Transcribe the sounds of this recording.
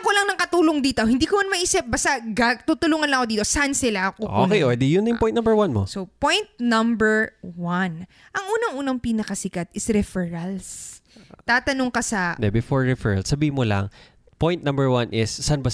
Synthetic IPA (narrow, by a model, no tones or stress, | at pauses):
kolɐŋnɐŋkɐt̪uːloŋd̪iːt̪o̞hɪnd̪iːkomɐnmɐʔiːsɪp̚bɐst̪aɡat̪ut̪ʊluːŋɐnlɐŋɐkod̪iːt̪osansɪlaɐkoʔokɛjʔɛd̪ɛjʊnːɐjʊŋpɔj̃t̪nambɛɹwanmo̰sopojnt̪̚nɐmbɛɹwɐn | ʔɐŋʔuːnɐŋʔuːnɐŋpiːnɐkɐsɪkat̪ʔɪsɾɛfɛɹɐls | t̪aːt̪ɐnoŋkasɐnd̪ɛbɪfoɹɹɛfɛɹɐ̰lsːɐbiːhɪmolɐ̰ŋ | pojnt̪nɐmbɛɹwanʔɪssanbas